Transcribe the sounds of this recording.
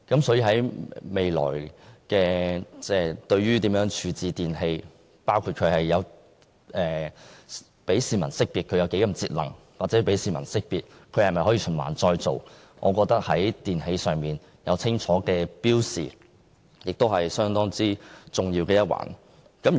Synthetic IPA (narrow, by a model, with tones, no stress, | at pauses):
kɐ˨˥msɔː˨˥jiː˧hɐ˨˥jme˨jlɔ̰ː˨˩jkɛː˧t͡sɛː˥˧˩t̪ɵ˧ɥɥyː˥t̪iː˨˥mjœː˨˥ŋt͡ʃʰyː˨˧t͡siː˨t̪iː˨nɦe˧j | paː˥wkʰuː˧t̚kʰɵ˨˧ɥhɐ˨jːɐ˨˧w | ʔɛː˨ | pe˨˥jsiː˨mɐ̰˨˩nsɪ˥k̚piː˨t̚kʰɵ˨˧jɐ˧wke˨˥jkɐ˨˩mt͡siː˧t̚lɐ̰˨˩ŋ | waː˨t̚t͡sɛ˨˥pe˨˥jsiː˨˧mɐ̰˨˩nsɪ˥k̚piː˨t̚kʰɵ˧hɐ˨jmɐ˨jhɔ˨˥ji˨t͡ʃʰɵ˨˩nma̰ː˨˩nt͡sɔː˧jt͡so̰˨w | ŋʔɔː˨˧kɔː˧k̚t̪ɐ˥k̚hɐ˨˥jt̪iː˨nhe˧jsœː˨ŋmiː˨˩n | jɐ˨˧wt͡sʰɪ˥ŋt͡ʃʰɔː˨˥kɛː˧piː˥wsḭː˨˩ | jɪ˨k̚t̪o˥whɐ˨jsœː˥ŋt̪ɔː˥ŋt͡siː˥t͡sʊ˨ŋjiː˧wkɛː˧jɐ˥t̚wʔa̰ː˨˩n | kɐ˨˥m˨